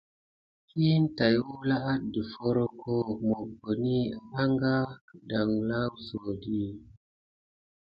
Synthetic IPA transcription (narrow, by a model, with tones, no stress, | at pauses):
ki˦n˦ta˨ju˦la˦ʔa˦t̚di˨fo˦ɾo˦kʰo˦mo˨ɡo˨ni˦a˨la˦ŋɡa˦da˨ŋla˦wzo˨di˦